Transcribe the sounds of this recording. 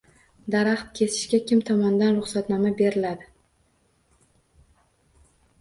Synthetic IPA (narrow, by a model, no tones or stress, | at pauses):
d̪aɾaχt̪̚kʲʰe̞sɪ̥ʃkʲakʲɪmt̪ʰɒmɒnd̪anɾʊχsat̪nɒmabe̞ɾɪlad̪ɪ